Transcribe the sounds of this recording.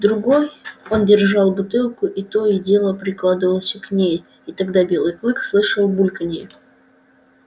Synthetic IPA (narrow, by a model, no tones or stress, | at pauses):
d̪ɾʊɡo̞jo̞ndʲɪrʐɑlˠbʊt̪ɨlˠkʊʔit̪o̞idʲe̞lˠəpɾʲɪklˠad̪ɨvəlˠəsʲknʲej | it̪ɐɡd̪abʲe̞lˠɨjklˠɨkslˠɨʂəlˠbulʲkənʲɪj